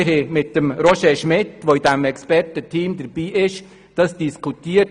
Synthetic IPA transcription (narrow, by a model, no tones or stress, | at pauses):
ɾhɛmɪt̚d̥əmɾoʃeʃmɪtʋoɪdɛmɛkspɛɾtətʰiːmdəɾb̥iːʔɪʃ | d̥ɑsd̥iskʰutiːə